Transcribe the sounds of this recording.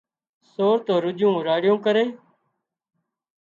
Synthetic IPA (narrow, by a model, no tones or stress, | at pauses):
soːɾt̪oːɾʊd͡ʒũːɾaːɽɪjõːkəɾẽː